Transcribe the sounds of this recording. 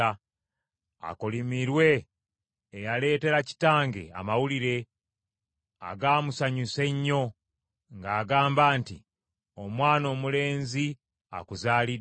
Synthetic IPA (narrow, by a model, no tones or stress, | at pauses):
a | a̰kolimiɾwe̞ː | jale̞ːte̞ɾaci̥taːŋɡe̞̰a̰mawuliɾe̞ | a̰ɡaːmusaɲuse̞ɲːo̞ | ŋɡaːɡaːmbaːntḭ | o̞mwaːno̞ːmule̞ːnzi | a̰kuzaːli